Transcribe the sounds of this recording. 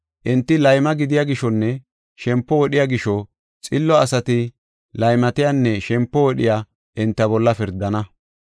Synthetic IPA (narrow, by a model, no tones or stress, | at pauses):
ʔɪnt̪ːɪlɐjmɐɡɪd̪ɪjaːɡɪʃɔnːɛ | ʃɛmpːɔwɔɗɪjaɡɪʃɔ | t͡sʼɪlːɔɐsɐt̪ɪ | lɐjmɐt̪ɪjanːɛʃɛmpːɔwɔɗɪja | ʔɪnt̪ːɐbɔlːɐfɪɾd̪ːɐnɐ